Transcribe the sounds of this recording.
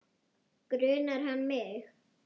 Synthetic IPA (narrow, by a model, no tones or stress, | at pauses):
kɾʏːnaɾ̥hanmɪx